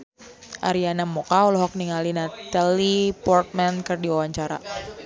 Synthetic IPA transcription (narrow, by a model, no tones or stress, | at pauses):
ʔa̰ɾianamɔkaulɔɦɔk̚niŋalinat̪alipɔrt̪̚mɛnkɨrdiwawaɲt͡ʃaɾa̰